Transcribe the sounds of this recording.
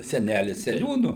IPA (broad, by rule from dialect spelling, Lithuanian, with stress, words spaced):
sʲɛˈnʲælʲɪs sʲɛˈnʲuːnʊ